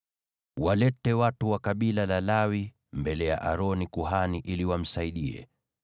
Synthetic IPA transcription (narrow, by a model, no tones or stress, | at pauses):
walɛtɛwatuwakaɓilalalawi | mbɛlɛja̰ʔaɾɔnikuɦaniʔiliwam̩saiɗiɛ̰